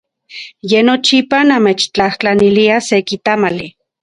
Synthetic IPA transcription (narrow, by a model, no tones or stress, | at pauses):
jenot͡ʃipanamet͡ʃt͡ɬaht͡ɬaniliasekit̪amali